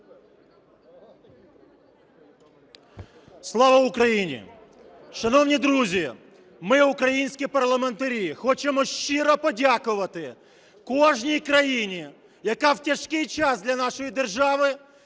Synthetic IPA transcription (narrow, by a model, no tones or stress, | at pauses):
slˠɔʋɐʊkɾɐjinʲḭ | ʃɐnɔwnʲid̪ɾuzʲi | mɪʊkɾɐjinʲsʲkʲɪpɐrlˠɐment̪ɐɾʲixɔt͡ʃemɔʃt͡ʃɪɾɔpɔdʲakʊʋɐt̪ɪ | kɔʒnʲijkɾɐjinʲi | jɐkawtʲɐʃkɪjt͡ʃɑsd̪lʲɐnɑʃɔjid̪erʒɑʋɪ